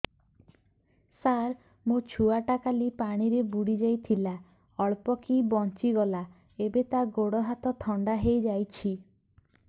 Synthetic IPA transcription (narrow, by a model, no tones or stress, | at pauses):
saɾ | mot͡ʃʰuaʈakalipaɽ̃iɾebuɽid͡ʒajt̪ʰila | ɔɭpɔkibɔnt͡ʃiɡɔla | ebet̪aɡoɽɔɦat̪ɔt̪ʰɔɳɖaɦejd͡ʒajt͡ʃʰi